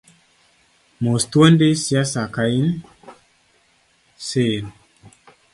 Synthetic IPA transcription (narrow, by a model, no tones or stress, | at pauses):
most̪wondesjasakain | sen